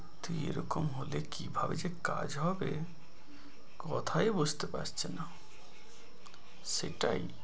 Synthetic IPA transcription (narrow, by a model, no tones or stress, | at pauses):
t̪ueɾɔkomɦolekibʱabed͡ʒeka̰d͡ʒɦɔbe | kɔt̪ʰajbud͡ʒʱt̪epa̰d͡ʒt͡ʃʰena | seʈaj